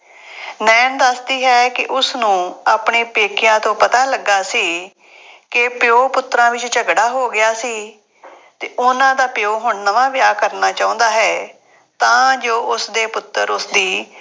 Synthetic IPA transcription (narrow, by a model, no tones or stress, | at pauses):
nɛːnd̪əsd̪iːɦɛːkɪʔʊsnũːaːpɳeːpeːkɪjãːt̪õːpət̪aːləɡːaːsiː | kɪpɪoːpʊt̪ːɾãːʋɪt͡ʃt͡ʃəɡɽaːɦoːɡɪjaːsiː | t̪eːʔʊnãːd̪aːpɪjoːɦʊɳnəʋãːʋjaːkəɾnaːt͡ʃaːʊ̃ːnd̪aːɦɛː | t̪ãːd͡ʒoːʔʊsd̪eːpʊt̪ːəɾʊsd̪iː